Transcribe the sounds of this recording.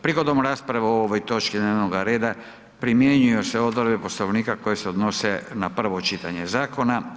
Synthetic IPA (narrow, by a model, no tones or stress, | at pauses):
pɾiɡo̞d̪omɾaːspɾaʋaooʋojt̪o̞t͡ʃkid̪neʋnoɡaɾe̞ːd̪a | pɾimjeɲujoseo̞d̪voɾbepo̞sloʋniːkako̞je̞seod̪no̞senapr̩ʋo̞t͡ʃit̪aɲe̞zaːko̞na